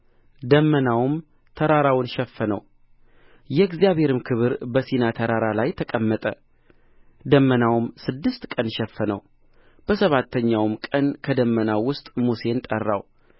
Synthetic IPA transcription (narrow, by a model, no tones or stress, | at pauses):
d̪əmːənawm | t̪ʰəɾaɾawnʃɛfːənə̰w | jɛɡzijaβhe̞ɾɨmkʰɨβɨɾbəsinat̪ʰəɾaɾalajt̪ʰəkʼəmːət̪ʼə | d̪əmːənawmsɨd̪ːɨst̪kʼənʃɛfːənə̰w | b̥əsəβat̪ʰːəɲːawmkʼənkʰəd̪əmːənawʊst̪ʼmuse̞nt̪ʼərːa̰w